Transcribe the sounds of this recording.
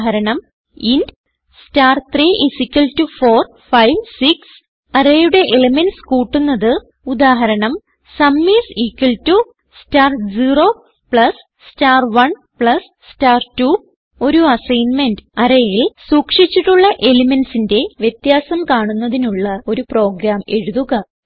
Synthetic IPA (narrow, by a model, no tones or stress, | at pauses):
ɦɐɾɐɳɐm | ind | staːrt̪riːʔisikʲːɐltufo̞ːr | fɐjʋsiks | ɐrejuɽe̞ʔelɐmenskuːʈːunːɐðɨ | ud̪aːɦɐɾɐɳɐm | sɐmːiːsiːkːɐltu | staːrd͡ʑiːro̞ | pɭɐs | staːrʋɐɳ | pɭɐs | staːrtu | o̞ɾuɐsɐjnmendɨɐɾɐjilsuːkʂit͡ɕːiʈːuɭːɐʔe̞limensinde̞ʋjet̪jaːsɐmkaːɳunːɐðinuɭːɐo̞ɾupro̞ːɡɾaːme̞ɻuðuɣɐ